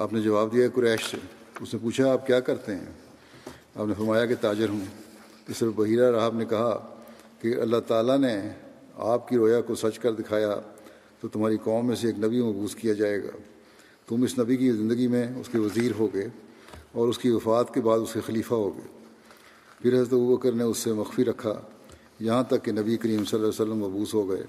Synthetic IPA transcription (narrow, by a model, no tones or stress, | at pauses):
aːpned͡ʒɐʋaːb̚d̪ijaɦɛkʊɾɛːʃsḛ | ʊsnẽpuːt͡ʃʰaaːp̚kjaːkɐɾt̪eɦɛ̰̃ː | a̰ːpnefɐɾmaːjaket̪aːd͡ʒɪɾɦũ | ɪsbɐɦiːɾaɾaːɦəbnekɐɦa | keɐ̰lːaɦt̪aːlane | a̰ːpkiɾoːjakosɐt͡ʃkɐɾd̪ɪkʰaːja | t̪ot̪ʊmɦaːɾikɔːmːẽseeːknɐbimɐɦbuːskijad͡ʒaːeːɡa̰ː | t̪ʊmɪsnɐbikizɪ̃nd̪əɡimẽʊskeʋɐziːɾɦoːɡɐeː | ɔːɾʊskiʋɐfaːt̪kebaːd̪ʊskexɐliːfaɦoːɡɐḛː | pʰɪɾɦɐzɾət̪ebuːbəkəɾneʊsːemɐxfiɾɐkʰːa̰ | jɐɦãt̪ɐkːenɐbiɐkəɾiːmsɐlːaːjsəlːəmːɐɦbuːsɦoɡɐḛː